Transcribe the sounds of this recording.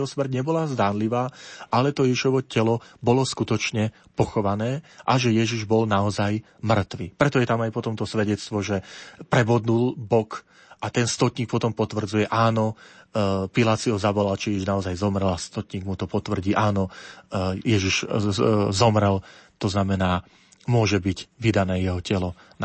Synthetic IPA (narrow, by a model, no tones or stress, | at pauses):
ɔsmr̩t̚ɲɛbɔlazd̪aːnliʋaːʔalɛt̪ɔjɛʃɔʋɔcɛlɔbɔlɔskut̪ɔt͡ʃɲɛ | pɔxɔʋanɛːʔaʒɛjɛʒiʒbɔlnaɔzaj | mr̩t̪ʋipɾɛt̪ɔjɛt̪amajpɔt̪ɔmt̪ɔsʋɛɟɛt͡st̪ʋɔʒɛpɾɛbɔd̪nulbɔk | ʔat̪ɛnst̪ɔt̪ɲiːk̚pɔt̪ɔmpɔt̪ʋr̩d͡zujɛʔaːnɔ | pilaːt̪siɦɔzaʋɔlalt͡ʃɛjɛʒiʒnaɔzajzɔmɾɛlast̪ɔt̪ɲiːɡmut̪ɔpɔt̪ʋr̩ɟiːʔaːnɔ | jɛʒiʃ | zɔmɾɛlt̪ɔznamɛnaː | mʊɔʒɛbiɟʋid̪anɛːjɛɦɔcɛlɔ | n